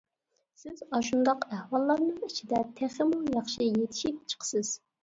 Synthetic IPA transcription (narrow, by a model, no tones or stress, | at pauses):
sɪzɑʃund̪ɑqæhwɑlˠːɑɾnɨŋit͡ʃʰid̪ɛt̪ʰeχɪmujɑχʃijet̪ʰɪ̥ʃip̚t͡ʃʰə̥qʰə̥sɪz̥